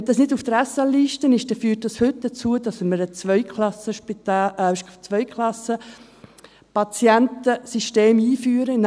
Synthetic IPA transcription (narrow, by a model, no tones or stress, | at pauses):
d̪ɑsnɪduft̪ɾæsɑlːiːʃtənɪʃd̥ɛfyːt̚d̥ɑshʏt̚d̪ət͡suəd̥ɑsməɾət͡sʋœʏkʰlɑsəʃpitɑːʃt͡sʋœʏkʰlɑsə | pɑt͡sjɛntəsiʃteːmiːfyːɾən